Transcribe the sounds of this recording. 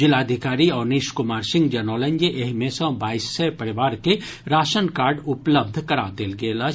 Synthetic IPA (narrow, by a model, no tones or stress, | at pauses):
d͡ʒɪlaːd̪ʱɪkaːɾiɔːɾniʃkʊmaːɾsɪ̃ŋɡd͡ʒɐnɔːlə̃ɲd͡ʒeʔeɦmẽsə̃baːisːepɐɾɪʋaːɾke | ɾaːʃənkaːɾɖʊpləb̚d̪ʱkɐɾad̪eːlɡela